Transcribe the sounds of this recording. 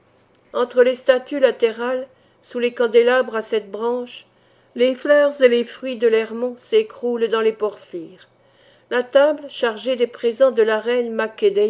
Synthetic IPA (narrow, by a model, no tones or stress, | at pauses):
ɑ̃t̪χəlest̪at̪ylat̪eʁal | sulekɑ̃d̪elabʁasɛt̪bʁɑ̃ʃ | leflœʁzelefχɥid̪əlɛʁmɔ̃sekχuld̪ɑ̃lepɔʁfiːʁ | lat̪abləʃaʁʒed̪epχezɑ̃d̪əlaʁɛnmaked̪ɛ